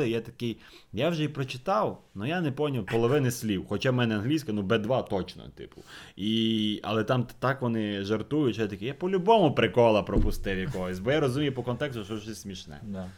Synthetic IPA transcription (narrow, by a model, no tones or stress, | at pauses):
ɪjat̪ɐ̥kɪj | jawʒɛipɾɔt͡ʃɪt̪ɑwnʊjanɛpɔnʲilˠpɔlˠɔʋɪnɪsʲlʲiwxɔt͡ʃamɛnɛɐnɦlʲijsʲkɐnubɛd̪ʋɑt̪ɔt͡ʃnɔ̰t̪ɪ̰pʊ̰iɐ̰lˠɛt̪ɑmt̪ɑkʋɔnɪʒɐrt̪ujʊtʲʃɛt̪ɐkɛjapɔlʲʊbɔmʊpɾɪkɔlˠɐpɾɔpʊst̪ɪwjɐkɔɦɔsʲbɔjaɾɔzʊmʲijɛpɔkɔnt̪ɛkst̪ʊʃɔʒɪsʲsʲmʲiʃnɛ̰